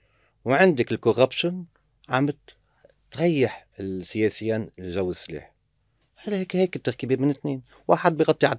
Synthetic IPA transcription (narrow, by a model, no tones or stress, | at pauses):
wʕɪnd̪akɪlkorapʃʊn | ʕamt̪ | t̪ɣajːaħɪlsːɪjeːsɪjːaːnʒawːɪsːlḛːħ | hlheːkheːkɪt̪ːaɾkibimɪnɪt̪ːneːn | waːħad̪̚bɪjɣɑt̪ˤːiʕad̪